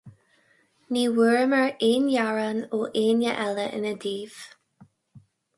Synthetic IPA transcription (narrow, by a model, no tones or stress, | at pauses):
niːwəɹməɹeːnjaɹanoːʔeːnjəʔɛləʔɪ̰nəd̪iːv̥